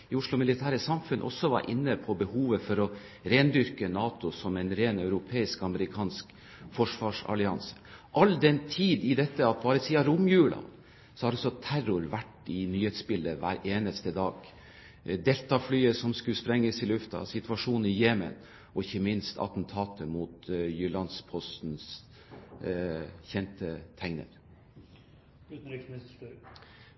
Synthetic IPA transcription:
ɪʊʂlʊmɪlɪt̪ʰæːɾəsɑmfʉnʔɔ̰sɔʋɑ̰ɾʔɪ̰nːəpʰɔbəhuːʋəfɔɾɔ | ɾeːnd̪ʏɾkənɑːt̪ʊsɔmɛnɾeːnœʉɾʊpʰeːɪskɑməɾɪkʰɑːnsk | fɔʂʋɑːʂɑ̰lɪɑnsə̥ʔɑld̪ɛnt̪ʰiːd̪ɪd̪ɛt̪ːəɑt̪̚bɑːɾəsiːɑɾʊmjʉːɭɑ̰n | sɔhɑɾɔsːɔt̪ʰæɾʊɾʋæʈːɪnyːhet̪sbɪlːəʋæ̰ːɾeːnəst̪əd̪ɑːɡ | d̪ɛlt̪ɑflyːəsɔmskʉlspɾɛŋːəsɪlʉft̪ɑ̰sɪt̪ʉʋɑʂuːnənɪjeːmə̰n | ɔɪçəmɪnst̪ʰɑ̰t̪n̩t̪ʰɑːt̪ʰəmuːt̪jʉlɑnspʰɔst̪n̩s | çɛnt̪ət̪ʰæŋnə̰ɾ

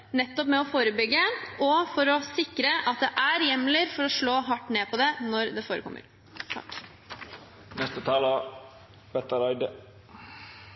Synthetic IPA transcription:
nɛt̪ːɔpmɛɔfoːɾəbʏɡːəʔɔfɔɾɔsɪkɾəʔɑt̪̚d̪ɛʔæɾjɛmːləɾfɔɾɔʂɭoːɦɑʈːneːpʰɔd̪ɛnɔɾd̪ɛfoːɾə̰kʰɔ̰mːə̰ɾ | t̪ʰɑ̰k | nɛst̪ət̪ʰɑːlə | b̥ɛt̪əɾɑɪd̪ə

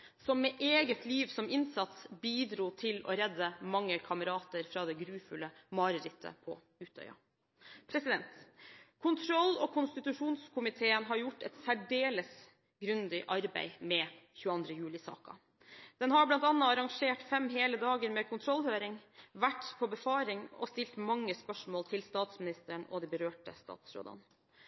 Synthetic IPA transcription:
sɔmːɛʔeːɡət̪ʰliːʋsɔmɪnsɑt̪sbiːd̪ɾuːt̪ʰɪlɔ̰ɾɛd̪ːəmɑŋːəkʰɑməɾɑːt̪əɾfɾɑːd̪ɛɡɾʉːfʉləmɑɾəɾɪt̪ʰːə̰pʰɔ̰ | ʉːt̪œ̰ʏɑ̰ | pʰɾɛsɪd̪ɛnt̪kʰʊnt̪ʰɾɔlːɔkʰʊnst̪ɪt̪ʉʂuːnskʰʊmɪt̪ʰeːənɦɑɾjʊʈːɛt̪sæɖeːləs | ɡɾʉnd̪ɪʔɑɾbæ̰ɪmɛçʉːəɑnd̪ɾəjʉːlɪsɑ̰ːkɑ̰ | d̪̥ɛnɦɑɾblɑnt̪ɑnːɑɑɾɑŋʂeːʈfɛmɦeːləd̪ɑːɡəɾmɛkʰʊnt̪ʰɾɔlːhøːɾɪŋʋæʈːpʰɔbəfɑːɾɪŋɔ̰st̪ɪlt̪mɑŋːəspœʂmoːlt̪ʰɪlst̪ɑːt̪smɪnɪst̪əɳɔ̰d̪ɛbəɾøːʈə̰st̪ɑ̰ːt̪sɾo̰ːd̪ɑ̰n

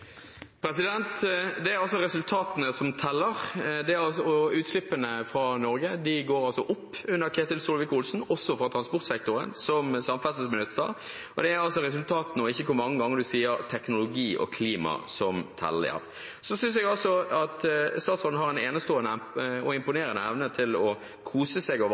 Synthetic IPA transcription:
pʰɾɛsɪd̪ɛnt̪d̪ɛæɾɑls̬ɔɾɛsʉlt̪ʰɑːt̪ənəsɔmt̪ʰɛlːəɾd̪ɛæɑsɔʉːt̪slɪpːənəfɾɑnɔɾɡəd̪ɪɡoːɾɑlsɔʔʊpːʉnːəɾkʰeːt̪ɪlsuːlʋɪkʊlsn̩ɔsɔfɔɾɑt̪ʰɾɑnspʊɾt̪sɛk̚t̪ʊɾə̰nsɔmsɑmfɛsəsmɛlʉt̪st̪ɑ̰ | ɔd̪ɛæɾɑlsɔɾɛsʉlt̪ʰɑːt̪ənɔɪçːəkʰʊɾmɑŋːəɡɑŋːəɾd̪ʉsiːəɾt̪ʰɛknʊlʊɡiːʔɔ̰kʰliːmɑ̰sɔmt̪ʰɛ̰lːə̰ə̰ɾ | sɔsʏns̬ɛɡɑlsɔɑt̪st̪ɑːt̪sɔln̩hɑɾɛneːnəst̪oːənəɔɪmpʊneːɾənəɛʋnət̪ʰɪlɔ | kʰuːsəseɡɑʋ

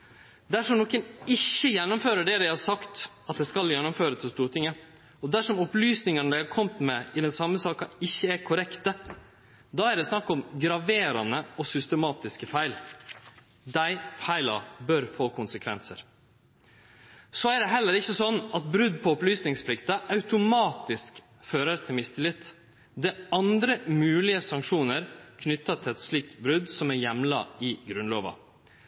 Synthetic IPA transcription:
d̪æʂɔmnɔːkənɪçːəjɛnːʊmføːɾəɖɛd̪æɪhɑɾsɑkt̪ | ɑt̪̚d̪ɛskɑljɛnːʊmføːɾət̪ʰɪlst̪uːɾʈʰɪŋːə | ɔd̪æʂɔmɔplyːsnɪŋənəd̪ækʰɔmt̪mɛɪd̪ɛnsɑmːəsɑːkɑɪçːəæɾkʰʊɾɛkt̪ə | d̪ɑːæɾɖ̪ɛsnɑkːɔmɡɾɑʋeːɾɑnəɔsʏst̪əmɑːt̪ɪskəfæɪl | d̪æɪfæɪlɑ̰bœɾfoːkʰʊnsəkʰʋɛnsəɾ | sɔæɖ̪ɛɦɛlːəɾɪçːəsɔnːɑt̪̚bɾʉd̪pʰɔɔplyːsnɪŋspʰlɪkt̪ɑʔɑʉt̪ʊmɑːt̪ɪsk | føːɾəɾt̪ʰɪlmɪst̪ʰɪlɪt̪ː | d̪ɛɑnd̪ɾəmʉːlɪəsɑŋkʂuːnəɾkʰnʏt̪ːɑt̪ʰɪɛt̪ʂɭiːk̚t̪bɾʉd̪sɔmæɾjɛmlɑ̰ɪɡɾʉnloːʋɑ̰

